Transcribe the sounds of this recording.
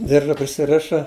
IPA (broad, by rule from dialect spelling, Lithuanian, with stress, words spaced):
ˈdʲɪrʒɐ pʲrʲɪsʲɪˈrʲɪʃɐ